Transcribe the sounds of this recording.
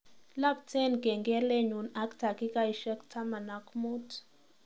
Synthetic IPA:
la˦b̚tʰɛ˦nɡɛ˨ŋɡɛ˦le˦ɲu˨na˦kta˨ki˦ka˦i˨ʃɛ˦ktʰa˦ma˨na˨kmu˦t

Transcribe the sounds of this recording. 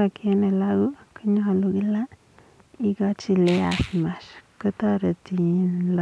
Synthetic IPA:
a˧ke˧˦ne˧la˦ɡu˦ka˦ɲo˦˧˨lu˧ɡi˦la˦ | i˦ɡa˦t͡ʃi˧le˦a̰˨sma˨ʃkə˦t̪a˦ɾa˨t̪i˧˨nla˧

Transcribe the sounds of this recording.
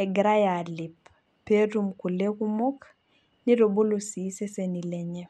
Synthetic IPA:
ɛɡɾa˦ja˨li˨p | pːe˦ɾumku˨le˦ku˦mo˦k | ni˦ɾo˨bo˦losi˨˦se˦seni˨lɛɲe

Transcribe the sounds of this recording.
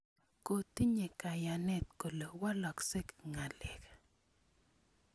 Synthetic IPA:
ko˨t̪i˦ɲe˨ka˨ja˨nɛ˦t̪ko˨lo˨wa˦lɔ˨kse˦kŋa˨lɛ˨k

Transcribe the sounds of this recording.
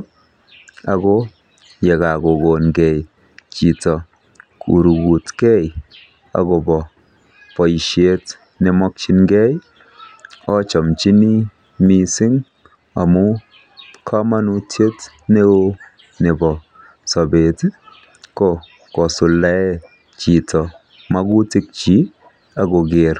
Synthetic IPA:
a˨ɡo˦ | jɛ˨ka˨ko˨ɡo˨nɡɛ˨j | t͡ʃi˨tɔ˨ | kʰṵ˨ɾu˨ɡu˨tkɛ˦j | a̰˨ɡo˨bɔ˨ | pɔ˨i˨ʃe˨˦t | ne˨mɔ˦k̚t͡ʃi˧nɡɛ˦j | ɔ˦t͡ʃɔ˨mt͡ʃi˦ni˦ | mi˧sɪ˦ŋ | a̰˨mu˦ | kʰa˦ma˦nu˧tʰje˦t | ne˦o˧ | ne˨bɔ˨ | sɔ˨be˨t | kɔ˦ | kɔ˨su˨la˨˦ɛ˦ | t͡ʃi˨tɔ˨ | ma˦ɡu˦ti˦k̚t͡ʃi˨˦ | a˨ɡo˨ɡe˨ɾ

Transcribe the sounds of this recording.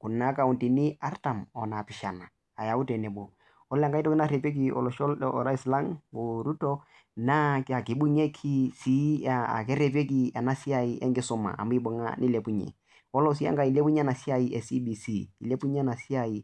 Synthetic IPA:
kʊ˨na˦ka˨u˨nti˨nɪ˦a˦rta˨mɔ˨na˨pɪ˨ʃa˨naː˨ja˨u˦te˨ne˨bo˨ | ɔ˦lŋɡa˦itɔ˦kɪ˦na˦ɾe˨pe˦k̬i˨ɔ̰˨lɔ˨ʃɔ˦lɔ˨ɾa˦i˦sla˦ŋu˨ɾu˦tɔ˦ | na˦ka˨kɪ˨bu˦ɲe˦kʰi˦si˦a˨a̰˨kɛ˦ɾe˨pe˦k̬i˦a˨na˦si˦a˨i˦ʔɛ̰˦ŋɡɪ˦sʊ˦ma̰˨ʔa̰˨m˦i˦bʊ˨ŋa̰˦nɪ˦le˨pu˦ɲḛ˨ | ɔ˦lɔ˦s̬i˦a̰˦ŋɡa˦i˨le˦pu˦ɲ˦a˦na˨si˦a˦i˦ʔɛ˨si˦bi˨si˦i˨le˦pu˦ɲ˦na˨si˦a˨i˨

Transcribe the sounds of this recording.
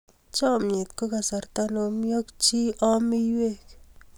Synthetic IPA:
t͡ʃɔ˦˨mje˨t̪ko˦ka˨sa˨rt̪a˦no˨mi˦o˦kt͡ʃi˦ʔɔ˦mɪ˦jwe˦k

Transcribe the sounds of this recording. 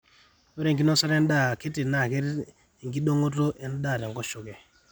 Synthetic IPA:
o˦ɾe˨ŋɡi˦no˦sa˦ɾe˦n˦ɗa˨ke˦ti˨na˨ke˦ɾ | ŋɡi˦ɗo˦ŋo˦to˦ʔe˨n˦ɗa˦˨ɾe˨ŋɡɔ˦ʃu˨kɛ˨

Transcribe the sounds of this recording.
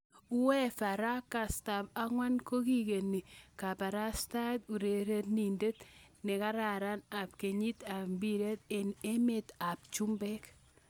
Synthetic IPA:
u˦wɛ˦fa˨ɾa˦ka˨sta˨p̚a˦ŋwa˦nko˦ki˦ke˨ni˨ka˨pa˨ɾa˦sta˦t̪u˨ɾe˨ɾe˦t̪ni˨nde˦t̪ | nɪ˨ka˦ɾa˨ɾa˦na˨p̚ke˨ɲi˦t̪a˨mbi˦ɾe˦t̪ee˦me˦t̪a˨p̚t͡ʃu˦mbɛ˦k

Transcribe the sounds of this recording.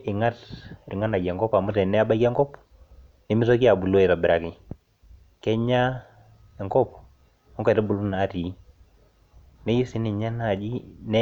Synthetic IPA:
ʔɪ˨ŋa˦tɾɪ˨ŋa˦na˨ɡɛ˨ŋɡɔ˦pa˨mu˦tɛ˨nɛ˦a˦ba˦i˦kɛ˦ŋɡɔ˦p | nɪ˦mɪ˦s̬ɔ˦ki˦a˨bu˨lo˦ɛ˨ta˨bɪ˨ɾa˨kɪ˨ | kɛ˦ɲa˦ | ɛ˨ŋɡɔ˦p | ɔ˦ŋkɛ˨tɛ˦bu˨lu˦na˨˦ti˨˦ | nɛ˦ji˦si˨˦nɪ˨ɲa˦na˨d͡ʒi˦nɛ˦

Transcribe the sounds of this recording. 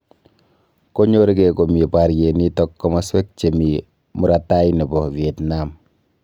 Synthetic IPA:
ko˦ɲo˦ɾi˦keko˨mipa˨ɾje˨ni˦tɔkːɔma˦swe˦k̚t͡ʃe˨mi˨ | mu˦ɾata˦ini˨bɔ˨vietnam

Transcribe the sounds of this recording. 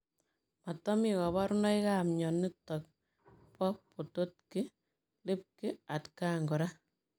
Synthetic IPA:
ma˨tɔ˦mikɔ˨βa˦ɾʊ˦nɔ˦ika˦mɲɔ˨nɪ˦tɔk̚ | pɔ˦po˨to˦tkɪ | lɪ˦p̚kɪ˦a˨tka˦ŋɡɔ˨ɾa˦

